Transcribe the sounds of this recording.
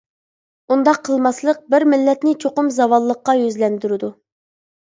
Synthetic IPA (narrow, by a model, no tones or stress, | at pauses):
und̪ɑqʰːəlˠmɑslˠəq̚bɪɾmɪlːɛt̪nɪt͡ʃʰoqʊmzɑwɑlˠːəqːɑjøzlɛnd̪yɾɪd̪u